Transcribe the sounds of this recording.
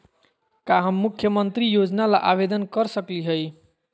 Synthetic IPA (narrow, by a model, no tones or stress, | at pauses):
kaɦəmːukʰjəmənt̪ɾijod͡ʒnalaʔabed̪ənkəɾsəkliɦəj